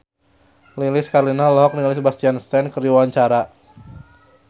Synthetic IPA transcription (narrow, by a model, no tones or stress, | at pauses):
lilɪskaɾlinalɔɦɔk̚nilɪsbast̪ianst̪ɛnkəriwawaɲt͡ʃaɾa